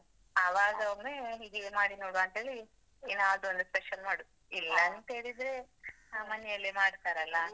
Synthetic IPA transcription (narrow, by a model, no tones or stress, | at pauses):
ɐʋaːɡɐoneid̪iɡemaːɽinoːɽuɐnt̪eːli | naːʋd̪uond̪uspeʃɐnmaːɽu | ilːɐnt̪eːɽid̪ɾe̞ | amɐnɛjɐlːimaːɽt̪aːɾɐlːɐ